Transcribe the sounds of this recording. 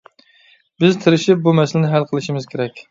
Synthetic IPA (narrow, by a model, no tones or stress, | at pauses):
bɪzt̪ʰɪɾɪʃɪp̚bumɛsɪlɪnɪɦælqʰəlˠɨʃimɪz̥kʲʰeɾɛkʲ